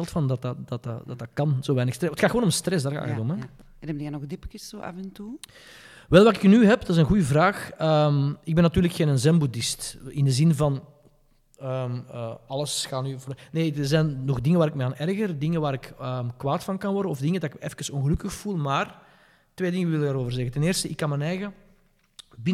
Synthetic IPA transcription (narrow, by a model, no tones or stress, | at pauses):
ɛlˠtfɑndɑtɑdɑtdɑtdɑkɑnz̥oːʋɛːjnəxstrɛətxaːtxəwoːnɔmstrɛs̬daːrɣa̰ːətɔmɛ | nɛbdɛnɔɣdɪpkɪssoːʔɑ̰fɛntu | ʋɛlˠʋɑkɪknyɦɛpdɑɪzənɣujəvraːxəmɪɡ̚bɛnːɑtyːrləkxeːnənzɛmbudɪstɪndəzɪnvɑn | əməɑləsxaːnyvoneːdəzɛnːɔɣdɪŋəʋaːɾɪk̚mɛaːnʔɛrɣərdɪŋənʋaːɾɪkəːmkwaːtfɑnkɑnʋɔrdəɔvdɪŋədɑɪkɛfkərsɔnɣəlɵkəxfulˠmaːr | tʋeːdɪŋəʋɪlˠɪdaːɾoːvərzɛɣətɛneːrstəɪkːɑnmɛnɛːjɣə | bɪn